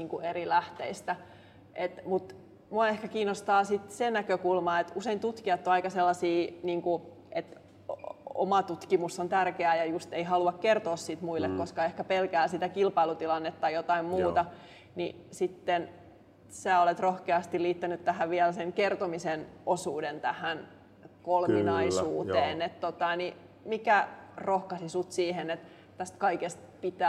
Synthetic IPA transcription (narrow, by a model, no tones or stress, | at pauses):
niːŋkueɾilæht̪ḛist̪æ | ʔet̪mut̪ | muɑehkækiːnost̪ɑːsit̪senækøkulmɑet̪useint̪ut̪kiɑt̪ːoɑikɑselːɑsiːniːŋku | ʔet̪ | o̰mɑt̪ut̪kimusːont̪ærkeæːjɑjust̪eiɦɑluɑkkert̪oːssit̪muilːekkoskɑehkæpelkæːsit̪ækilpɑilut̪ilɑnːet̪ːɑjot̪ɑimmuːt̪ɑ | ni | sit̪ːen | sæːolet̪rohkeɑst̪illiːt̪ːænyt̪t̪æhæʋiælseŋkert̪omisenʔosuːdent̪æhæn | kolminɑissuːt̪eːnet̪t̪ot̪ɑni | mikærohkɑsisut̪siːhenet̪ | t̪æst̪kɑikest̪̚pit̪æ